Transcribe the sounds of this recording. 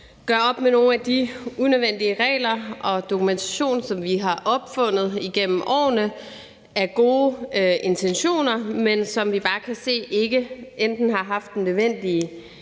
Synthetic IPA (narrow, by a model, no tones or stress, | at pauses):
ɡ̥ɶɐɒ̽b̥meno̝ːn̩æd̥iunøʋen̰d̥iəʁɛ̰ːlɐɒ̽d̥o̝kʰument͡sʰæɕo̝̰ːnsɒ̽mʋiɦɑ̈ʔɒ̽b̥fɔ̽n̰ð̞̩ˠiɡ̥em̰m̩ʔɒ̰ːnə | æɐɡ̥o̝ːʔe̝nt͡sʰenɕo̝̰ːnɐmensɒ̽mʋib̥ɑ̈ːkʰæse̝̰ːe̝ɡ̥əʔend̥n̩ɦɑ̈ɦɑ̈fd̥ːenːøðˠʋen̰d̥iə